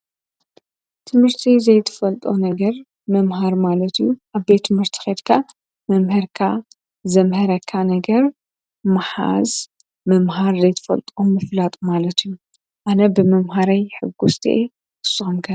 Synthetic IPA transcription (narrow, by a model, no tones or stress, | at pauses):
t̪ʰɨmhɨɾt̪ʰizɐjt̪ʰɐ̥fɐlt̪ʼonɐɡɐɾ | mɐmɦaɾmalɐt̪ijuʔaβbet̪ʰːɨmhɨɾt̪ʰi̥xed̪kʰa | mɐmhɐɾkʰa | zɐmhɐɾɐkʰːanɐɡɐɾ | maħa̰z | mɐmɦaɾzɐjt̪ʰɐ̥fɐ̰lt̪ʼomɨflat̪ʼumalɐt̪ʰɨju | ʔanɐbɨmɐmɦaɾajħɨɡːust̪ʰiʔe | ɨsːɨxumkʰɐ